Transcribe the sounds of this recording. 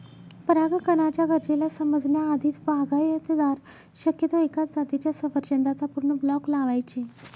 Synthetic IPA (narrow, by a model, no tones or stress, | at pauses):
pəɾaɡkənat͡ɕjaɡʱəɾd͡ʑelasəməd͡znjaːd̪ʱiːt̪baɡʱajət̪əd̪aɾ | ɕəkjət̪oekat͡sd͡zat̪it͡ɕjasəʋəɾt͡ɕənd̪at͡s̪apuɾɳəblɔklaʋajt͡ɕe